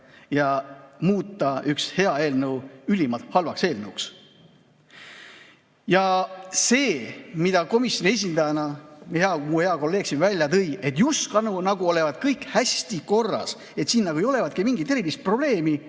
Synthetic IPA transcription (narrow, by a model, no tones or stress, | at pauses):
jɑmuːt̪ːˑɑykshe̞ɑe̞ːlnəwylʲimɑt̪hɑlvɑkse̞ːlnəuks | jɑse̞ːmid̪̥ɑko̞misjo̞nie̞s̬ʲind̪ɑjɑnɑmieheɑmuhe̞ɑko̞lːeːɡ̥simvælʲjɑt̪ɤ̞je̞t̪ːjuskɑnunɑɡuo̞le̞vɑd̪̥kɤjkhæst̪iko̞rːɑ̰s | e̞t̪siːnːɑɡuejo̞le̞vɑt̪̚kimiŋɡit̪ːˑe̞ɾivist̪̚pro̞b̥le̞ːmi